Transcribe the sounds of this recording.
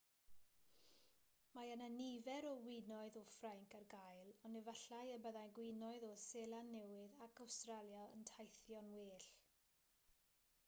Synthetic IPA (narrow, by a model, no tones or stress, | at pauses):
majənanivɛɾɔwɪnɔɨðɔfraŋkʰərɡajlˠɔnɛvaɬajəbəðajɡwɪnɔɨðɔseːlˠanːɛwɪðakʰawstralˠjaə̰ntʰajθjɔnweːɬ